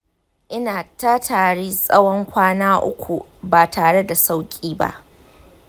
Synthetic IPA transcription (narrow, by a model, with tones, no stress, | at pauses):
ʔɪ˦naː˨ta˦tʰaː˨ɽiː˦sʼɐ˦wɔ˦ŋkʷaː˦naː˦ʔʊ̰˦kʷu˨ba˨tʰaː˨ɽe˦da˨sa˦wkʲʼiː˦ba̰˦ʔ